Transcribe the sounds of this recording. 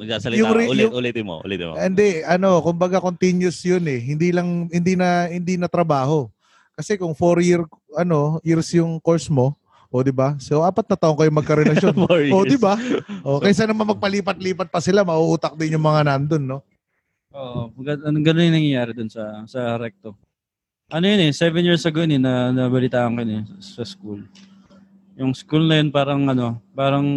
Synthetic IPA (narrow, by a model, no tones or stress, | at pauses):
mɐɡsasɐljʊŋɾɪːʊŋʔuːlɪt̪ɪmo̰ʔṵːlɛt̪ɪ̰mo̰ʔɪnd̪ɛʔɐno̞kʊmbɐɡakont̪injʊsjonɛhɪnd̪iːlɐŋhɪnd̪inɐhɪnd̪iːnɐt̪ɾɐbaːho̞ | kɐsɛkʊŋfoɾjɪɹ | ʔɐno̞jiɹsjʊŋko̞ɹsmo̞ | ʔod̪ɪbasowʔaːpɐt̪̚nɐt̪ɐʔoŋkɐjʊŋmɐkɐɾɛlɐʃjonoʔod̪ɪbaʔokɐjs̬anɐmanmɐɡ̚pɐliːpɐt̪̚liːpɐt̪̚pɐsɪlamɐʔuʔuːt̪ɐk̚d̪ɪnjʊŋmɐŋanɐɐnd̪o̞nːo̞ | ʔoʔɡɐɐnoŋɡɐnonjɪŋnɐŋjɐjaːɾɛd̪ʊnsɐsɐɾɛk̚t̪o | ʔɐnojʊnɛsɛvɛnjiɹsɐɡonɛnɐnɐbɐlɪt̪aːʔɐŋkojʊnɛsɐskul | jʊŋskulnɐjonpaːɾɐŋʔɐno̞paːɾɐŋ